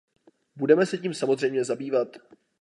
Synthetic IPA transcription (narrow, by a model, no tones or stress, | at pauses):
budɛmɛsɛciːmsamo̞zrɛjmɲɛzabiːvat̪